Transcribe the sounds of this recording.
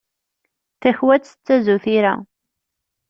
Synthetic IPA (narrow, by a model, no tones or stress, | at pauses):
θæçwæt͡sːə̥t͡sːæzuθiɾæ̰